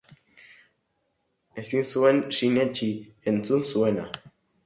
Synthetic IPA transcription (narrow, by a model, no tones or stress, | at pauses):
e̞sinsue̞nsinet͡ʃi | ent͡sunsue̞na̰